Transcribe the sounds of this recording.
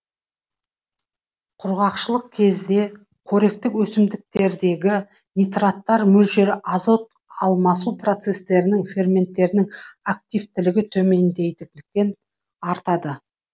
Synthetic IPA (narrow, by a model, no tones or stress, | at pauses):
qʰʊɾʁɑqʃəlˠəq̚kʲʰe̞zd̪e̞ | kʰɵɾe̞k̚t̪ɪkwɵsɪmd̪ɪk̚t̪e̞ɾd̪e̞ɡʲɪ | nʲijt̪rat̪ːɑɾmɵlʃeɾɪʔɑzo̞t̪̚ | ɑlˠmɑsupro̞t̪se̞st̪e̞ɾɪnɪŋfe̞rmʲe̞nt̪ːe̞ɾɪnɪŋak̚t̪ʲijvt̪ɪlɪɡʲɪt̪ʰɵme̞nd̪e̞jt̪ɪk̪ɪk̚t̪e̞n | ɑɾt̪ɑd̪ə